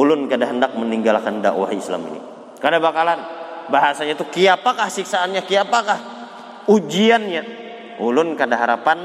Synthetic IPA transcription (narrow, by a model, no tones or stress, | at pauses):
ulʊnkadaɦəndak̚məniŋɡalkanda̰ʔwa̰hisla̰mḭnḭ | kadabakalanbaɦasaɲat̪ukiapakahsiksaːnɲakiapakah | ud͡ʒianɲa | ulʊnkadaɦaɾapan